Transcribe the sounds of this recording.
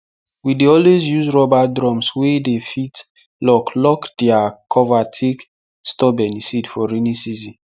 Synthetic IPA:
wideɔlwezjuzɹɔbadɹɔ̃mswedefit | lɔklɔkd̥ɛakʰɔvatʰek | stɔbɛ̃nisidfɔɹinĩsizĩ

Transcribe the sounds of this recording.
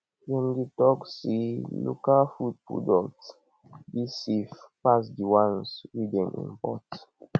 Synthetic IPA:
wɛ̃nditɔksilo̰kalfud̚pɹṵdɔkt | bisifpas̬diwãnswidɛ̃nʔḭ̃npɔt

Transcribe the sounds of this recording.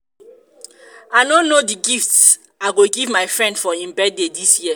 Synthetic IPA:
aɪnõnːodiɡifts | aɪɡoɡivmaɪfɹɛ̃ndfɔĩmbɛdedisjiə

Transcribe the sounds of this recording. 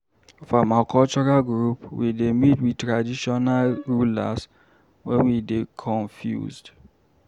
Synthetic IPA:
fɔmakʰɔlt͡ʃɔɹalɡɹupwidemitwitɹadiʃɔnalɹula̰s | wɛ̰̃nwidekʰɔ̃nfjṵzd

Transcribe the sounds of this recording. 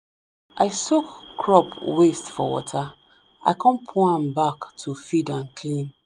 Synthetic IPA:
ʔaɪsokːɹɔpwestfɔ̰wɔ̰tʰa | ʔa̰ɪkʰɔ̃npʰuãmbaktʰufidãnkʰlĩn

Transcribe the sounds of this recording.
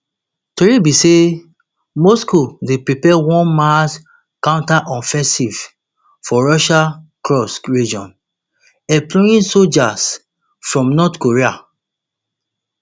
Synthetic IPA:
toɹibise | moskodepɹipɛwɔ̃nmas | kãʊ̃ntaʔɔ̃fɛ̃siv | fɔɹɔʃakɹɔsɹid͡ʒɔ̰̃n | ɛplɔjĩnsod͡ʒas | fɹɔ̃mnɔtkoɹia

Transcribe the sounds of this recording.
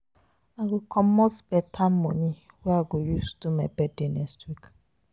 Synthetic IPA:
aɡokʰɔmɔtbɛtʰamɔni | wɛaɡojustumɛbɛdenɛstwik

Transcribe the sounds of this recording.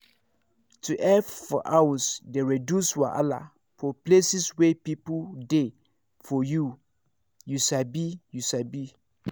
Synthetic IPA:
tʰuʔɛffɔʔawɔsdeɹedjuswaʔa̰la̰ | fɔplesiswɛpipude | fɔju | jusabijusabi

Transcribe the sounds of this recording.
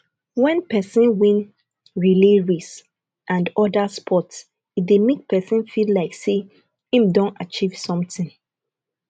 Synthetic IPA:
wɛ̃npʰɛsĩnwĩn | ɹileɹis | ʔãndɔdaspʰɔts | idemek̚pʰɛsĩnfillaɪkse | ĩmdɔ̃ntat͡ʃiv̥sɔ̃mtĩŋ

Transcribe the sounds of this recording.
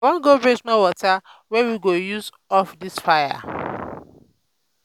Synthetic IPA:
wɔ̃nɡobɹesmɔwɔtʰawɛwiɡojuz | ɔfdisfaɪja̰

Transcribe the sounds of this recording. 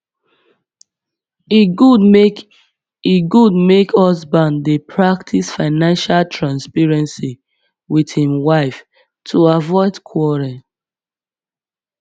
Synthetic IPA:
iɡude | iɡudmekhɔsbãndepʰɹaktʰisfaɪnãnʃaltʰɹãnspɛɹɛ̃nsi | widhĩmwaɪf | tʰuavɔɪdkʰwɔɹɛ̃n

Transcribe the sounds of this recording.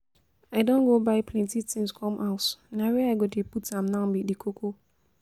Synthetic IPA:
aɪdõnɡobaɪpʰlɛ̃ntitĩŋskʰɔ̃mʔaʊtnawɛaɪɡodeputãmnãbidikʰokʰo

